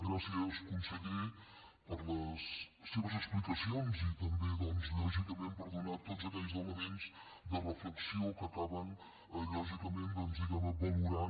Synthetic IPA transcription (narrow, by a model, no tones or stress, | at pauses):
ɣɾasiəzɛwskunsəɣi | pəɾləsː | eβəzəksplikəsionzit̪ɐmbeðɔmzlɔʒikəmẽnpəɾðunat̪ot̪zəkɛʎzəwləmẽnz | d̪ərəfləksijowkəkaβən | əlɔʒikəmẽnt̪dəmz̬iðaðəbɔluɾa